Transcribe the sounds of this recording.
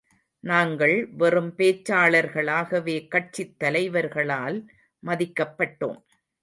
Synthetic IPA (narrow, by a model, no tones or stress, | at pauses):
naːŋɡɐɭʋɛrɯmpeːt͡ʃːaːɭɐɾɣɐɭaːɣɐʋeːkɐʈ̚t͡ʃɪt̪ːɐlɐɪʋɐɾɣɐɭaːl | mɐðɪkːɐpːɐʈːo̰ːm